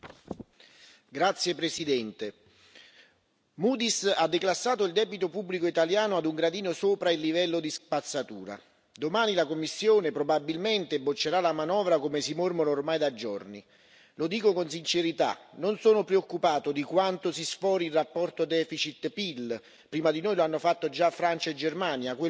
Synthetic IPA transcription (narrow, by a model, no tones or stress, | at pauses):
ɡɾat̪sjepɾesid̪ɛnt̪e | muːd̪isad̪ːeklasːaːt̪oild̪ɛːbit̪opubːlikoit̪aljaːnʊad̪uŋɡɾad̪iːnosoːpɾailːivɛlːod̪ispat̪sːat̪uːɾa̰ | d̪omaːnilakomːisːjoːnepɾobabilment̪ebːot͡ʃːeɾalamanɔːvɾakomesimormonːrmaːjd̪ad͡ʒo̰rnḭ | lod̪iːkokonsint͡ʃeɾit̪a̰nonsoːnopɾeokːupaːt̪od̪ikwant̪osisfɔːɾilrapːɔrt̪od̪ɛːfit͡ʃit̪pil | pɾiːmad̪inoːjloanːofat̪ːod͡ʒafːɾant͡ʃaed͡ʒermaːnjakwe